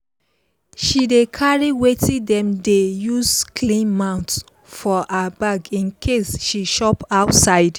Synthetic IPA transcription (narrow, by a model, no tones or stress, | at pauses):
ʃidekʰaɹiwetĩdɛ̃mdejuskʰlĩnmãʊ̃nt | fɔʔabaɡĩnkʰesʃiʃɔpaʊtsaɪd